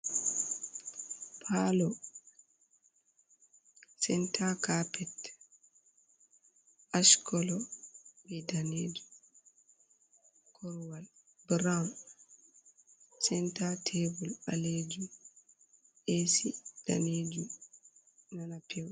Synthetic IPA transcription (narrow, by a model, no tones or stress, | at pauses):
pʰalɔ | sɛntʰakapɛt | ʔaʃkɔlɔbɛdaneːd͡ʒu | kʰɔɾwal | bɾam | sɛntatʰebula̰led͡ʒum | ʔesid̥a̰ned͡ʒum | nanapʰɛw